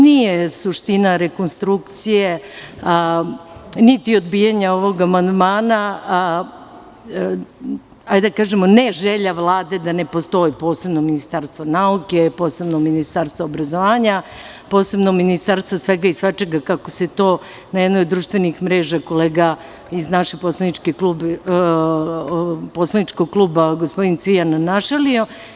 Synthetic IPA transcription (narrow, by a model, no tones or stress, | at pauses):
nijesuʃt̪inaɾeko̞nst̪ɾukt̪sije | nit̪io̞d̪bijaɲao̞ʋo̞ɡamand̪maːna | ajd̪akaːʒemoneʒeʎaʋlˠaːd̪e̞d̪ane̞po̞st̪o̞jipo̞ːse̞bnominist̪aɾst̪ʋonauke̞po̞ːse̞bnominist̪aɾst̪ʋaobɾazo̞ʋaːɲa | po̞ːse̞bnominist̪aɾst̪ʋasʋe̞ɡaisʋat͡ʃeɡakakoset̪o̞ː | najed̪nojod̪ːɾuːʃt̪ʋe̞nixmɾeːʒako̞leːɡa | iznaʃepo̞slˠanit͡ʃkikluːb | po̞slˠanit͡ʃkoɡ̚klˠuːbaɡospo̞d̪int̪sʋijanːaʃelio